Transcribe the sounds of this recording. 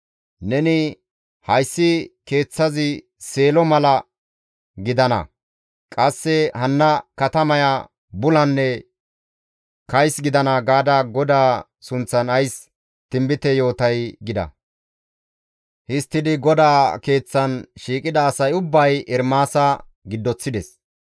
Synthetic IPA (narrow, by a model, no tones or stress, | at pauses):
nɛnɪ | hɐjsːɪke̞ːt͡sːɐzɪ | se̞ːlɔmɐlɐ | ɡɪd̪ɐnɐ̰ | kʼɐsːɛhɐnːɐkɐt̪ɐmɐja | bʊlɐnːɛ | kɐjsɡɪd̪ɐnɐɡaːd̪aːɡɔd̪aː | sʊnt͡sːɐnɐjs | t̪ɪmbɪt̪ɛjo̞ːt̪ɐjɡɪd̪ɐ̰ | hɪst̪ːɪd̪ɪɡɔd̪aːke̞ːt͡sːɐnʃiːkʼɪd̪ɐːsɐjʊbːɐjɛɾmaːsɐ | ɡɪd̪ːɔt͡sːɪd̪ɛs